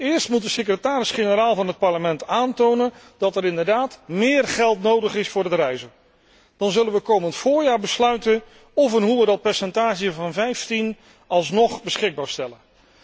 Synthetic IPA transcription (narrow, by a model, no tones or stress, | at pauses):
ɪːɹstmut̚dəsəkrətaːɾɪsχenəɾaːlˠvɑnɦət̚pɑɹləmɛntaːntownən | dɑtɛɾɪndəɹdaːtmɪːrχɛlˠtnowdəχɪsfʊːɹətrɛjzə | d̥ɑnzɵlənʋəkowməntfʊːɹjaːɹbəslœɥtə | ɔfənɦuədɑt̚pɛɹsɛntaːʒəvɑnvɛjftin | ɑlˠs̬nɔχbəsχɪɡ̚baːɹstɛlə